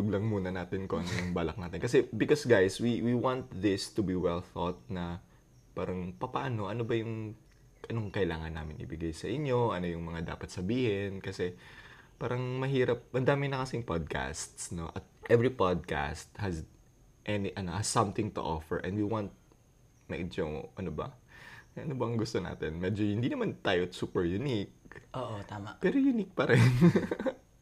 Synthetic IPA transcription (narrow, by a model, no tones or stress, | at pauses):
d̪ʊɡlɐŋmuːnɐnaːt̪ɪnkoʔɐnojʊŋbaːlɐk̚naːt̪ɪnkɐsɛbɪkosɡajswiwiwãnt̪̚ðɪst̪ʊbiwɛlθot̪̚nɐ | paːɾɐŋpɐpaːno̞ʔɐno̞bɐjʊŋ | ʔɐnoŋkɐɪlaːŋɐnːaːmɪnʔɪ̰bɪɡajsɐʔɪɲjo̞ʔɐno̞jʊŋmɐŋad̪a̰ːpɐt̪sɐbiːhɪnkɐsɛpaːɾɐŋmɐɦiːɾɐp̚ʔɐnd̪aːmɪnɐkɐsɪŋpad̪̚ka̰st̪sno̞ʔɐt̪̚ʔɛvɹipad̪̚ka̰st̪̚hɐz | ʔɛniʔɐnohɐz̥ːɐ̃mt̪ɪŋt̪ʊ̰ʔo̰fɛɹʔɛ̰nd̪wiwant̪̚ | nɐ̰ʔɪd͡ʒoo̰ʔɐnobɐ̰ʔɐnobɐʔɐŋɡʊst̪o̞na̰ːt̪ɪnmɛd͡ʒohɪnd̪inɐmant̪aːjosuːpɛɹjʊnik̚ʔoʔot̪amapɛɾojʊnik̚pɐɾɛn